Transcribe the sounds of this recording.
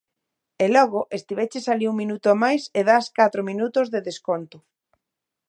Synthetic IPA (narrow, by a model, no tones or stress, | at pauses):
elɔɣoʔest̪iβet͡ʃesaliuŋminut̪omajseðaskat̪ɾominut̪ozðeðeskont̪ʊ